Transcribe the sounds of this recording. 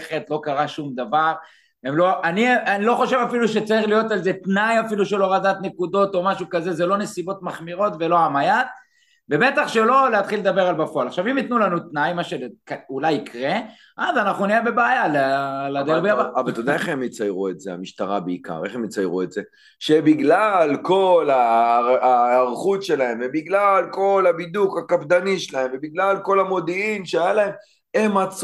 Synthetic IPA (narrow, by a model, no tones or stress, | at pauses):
χet̪lo̞kaʁaʃumd̪avaʁ | emlo̞ʔanianilo̞χo̞ʃe̞vafiluʃe̞t͡saʁiχlijo̞t̪alze̞t̪najafiluʃelo̞ʁadat̪ne̞kud̪o̞t̪o̞maʃukaze̞zelo̞ne̞sibo̞t̪maχmiʁo̞t̪ve̞lo̞amajat̪̚ | ve̞be̞t̪aχʃe̞lo̞leat̪χiled̪abe̞ʁalbafoalaχʃavimjit̪nulanut̪najmaʃelekaulajikʁe | ʔazanaχnuniebe̞beːjalelad̪eʁbiabaavalt̪od̪aeχemjit͡sajʁuetzea̰miʃt̪aʁabeika̰ʁe̞χemit͡sajʁue̞tze | ʃebiɡlalko̞la | ʁχut̪ʃe̞lahe̞mvebiɡlalko̞labid̪ukakavd̪aniʃelahemvebiɡlalko̞lamo̞d̪iimʃeajalae̞m | emat͡s